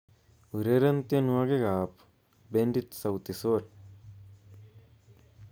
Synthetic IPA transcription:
uɾeɾɐnt̪jɐnuaɡeɡaːp | beɳɖit̪sɐwt̪isoːɾ

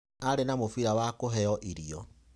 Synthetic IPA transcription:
aɾenamofiɾawakoɦɛɔʔiɾiɔ

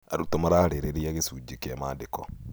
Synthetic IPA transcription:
a̰ɾut̪ɔmaɾaːɾeɾeɾijaɡesud͡ʒikamaːdekɔ

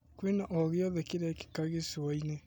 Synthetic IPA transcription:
kwenaʔoɣiɔðɛkiɾɛki̥kaɣesiwaine

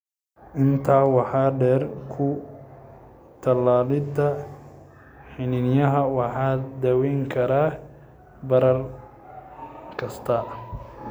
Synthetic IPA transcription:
ʔɪnt̪ʰaːwɑħɑːɖɛːrkʰʊ | t̪ʰɐlaːlɪd̪ɐ | ħɪnɪnjɐɦɐwɑħɑːd̪ɐwɛŋkʰɐɾaː | bɐɾɐr | kʰɐst̪ʰɐ

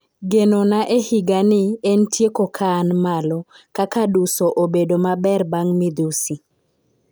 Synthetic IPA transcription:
ɡenonaʔehɪɡanɪɛntjekokʰaːnmalɔ | kakadusoʔobedomabɛrbaŋmɪd̪usi

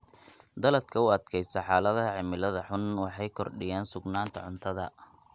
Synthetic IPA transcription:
d̪ɐlɐd̪kʰɐʊɐd̪kʰɛjsɐħɑːlɐðɐɐʕɪmɪlɐðɐħʊnwɑħɑjkʰɔrɖɪjaːnsʊɡnaːnt̪ʰɐ̰ʕʊnt̪ʰɐðɐ

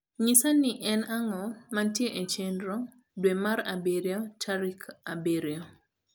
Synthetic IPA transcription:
ɲisaniʔɛnaŋɔmantjeʔet͡ʃendɾɔ | dwemaɾabeɾjɔt͡ʃaɾikabeɾjo

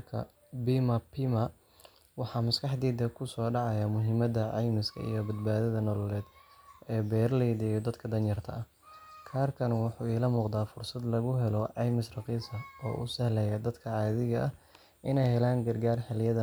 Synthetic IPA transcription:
kʰɐ̰ | bimɐpʰimɐ | wɑħɑːmɐskʰɑħd̪iːd̪ɛkʰʊsɔːɖɑʕɑjaːmʊɦɪmɐðɐʕɑjmɪskʰɐ̰ḭjɔbɐd̪̚baːðɐðɐnɔlɔlɛːd̪ɛːbɛːrlɛjd̪ɛjɔd̪ɐd̪kʰɐd̪ɐnjɐrt̪ʰɐ̰ɐh | kʰaːrkʰɐnwʊħuːiːlɐmuːqd̪aːfʊrsɐd̪lɐɣʊɦɛlɔʕɑjmɪsrɑqiːsɐɔ̰ːʔʊ̰sɐhlɛjaːd̪ɐd̪kʰɐʕɑːðɪɣɐʔɐh | ʔɪnɛjhɛlaːŋɡɐrɡaːrhɐljɐðɐ

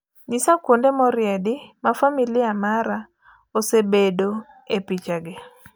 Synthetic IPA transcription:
ɲisakwondemɔɾjɛdɪmafamilɪamaɾa | osebedo | epit͡ʃaɡɪ

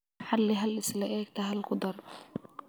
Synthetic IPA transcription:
ħalːiɦalʔɪslaʔɛːkt̪aɦalqʊd̪ɑɾˤ

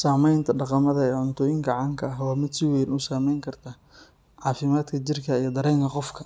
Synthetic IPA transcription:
saːmɛjnt̪ʰɐɖɑqɑmɐðɐɛːʕʊnt̪ʰɔːjɪŋɡʰɐʕɑŋkʰɐɐɦwaːmɪd̪sɪwɛjnʊsaːmɛjŋkʰɐrt̪ʰaː | ʕɑːfɪmaːd̪kʰɐt͡ʃɪrkʰɐijɞd̪ɐɾɛjŋkʰɐqɔfkʰɐ

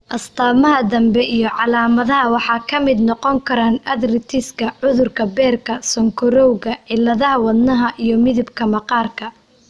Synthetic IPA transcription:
ʔɐst̪ʰaːmɐɦɐd̪ɐmbɛʔijɞʕɑlaːmɐðɐɦɐwɑħɑːkʰɐmɪd̪nɔqɔŋkʰɐɾaːnɐd̪rɪt̪ʰɪskʰɐʕʊðʊrkʰɐbɛːrkʰɐsɔŋkʰɔɾɔwɣɐʕɪlːɐðɐɦɐwɐd̪nɐɦɐʔijɞmɪðɪbkʰɐmɐqɑːrkʰɐ

